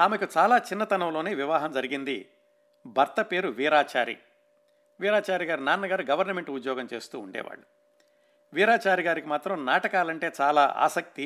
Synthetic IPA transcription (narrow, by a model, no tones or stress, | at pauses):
aːmekut͡ʃaːlaːt͡ʃinːɐt̪ɐnɐmlo̞ːneːʋiʋaːɦɐmd͡ʒɐɾiɡind̪i | bʱɐɾt̪ɐpe̞ːɾuʋiːɾaːt͡ʃaːɾḭ | ʋiːɾaːt͡ʃaːɾiɡaːɾinaːnːɐɡaːɾuɡɐʋɐɾnɐme̞ɳʈud̪jɔːɡɐmt͡ʃe̞ːst̪ṵːuɳɖɛ̰ːʋa̰ːɭːu | ʋiːɾaːt͡ʃaːɾiɡaːɾikimaːt̪ɾɐmnaːʈɐkaːlɐɳʈe̞ːt͡ʃaːla̰ːʔa̰ːsɐk̚t̪i